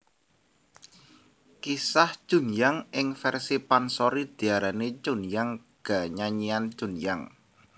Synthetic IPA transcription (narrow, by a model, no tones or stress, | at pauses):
kisaht͡ʃṳnjaŋɪŋfɛrsipansoɾid̪̥i̤aɾanet͡ʃunjaŋ | ɡ̥a̤ɲaɲiant͡ʃunjaŋ